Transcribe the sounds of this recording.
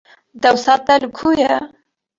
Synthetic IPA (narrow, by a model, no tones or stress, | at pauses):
d̪ɛwsɑːt̪̚ɛlɨkʰuːjɛ